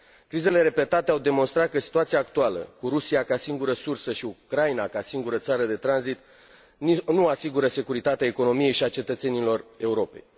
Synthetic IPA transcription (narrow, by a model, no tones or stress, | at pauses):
kɾize̞le̞ɾe̞pe̞t̪at̪eawd̪e̞mo̞nst̪ɾat̪̚kəsi̥t̪uat̪siaːkt̪ualə̰kuɾusiakasiŋɡuɾəsursəʃiukɾajinakasiŋɡuɾət̪saɾəd̪e̞t̪ɾanzit̪ | nuasiɡuɾəse̞kuɾit̪at̪eaeko̞no̞mije̞jʃiat͡ʃe̞t̪ət̪se̞nilo̞re̞uɾo̞pe̞j